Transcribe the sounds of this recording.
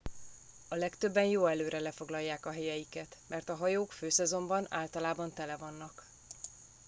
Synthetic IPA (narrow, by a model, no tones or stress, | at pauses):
ɒlɛkt̪ø̞bːɛnjoːɛløːɾɛlɛfo̞ɡlɒjːaːkɒɦɛjɛjikɛt̪mɛrt̪ɒɦɒjoːkføːsɛzo̞mbɒnaːlt̪ɒlaːbɒnt̪ɛlɛvɒnːɒk